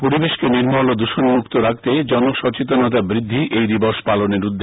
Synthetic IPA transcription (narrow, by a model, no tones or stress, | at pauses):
poɾibeʃkeniɾmɔlod̪uʃonmukt̪oɾak̚t̪ed͡ʑɔnoʃɔt͡ɕit̪onɔt̪̬abɾid̪ʱːiʔejd̪iboʃpaloneɾud̪ːe